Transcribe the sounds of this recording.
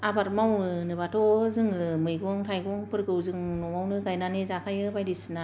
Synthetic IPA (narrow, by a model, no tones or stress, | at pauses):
abat̚mawɯnɯbatʰɔzɯŋlɯmɯjɡɔŋtʰajɡɔŋpɯɾkɯwzɯŋnɔmawnɯɡajnanizakʰajɯbajdisna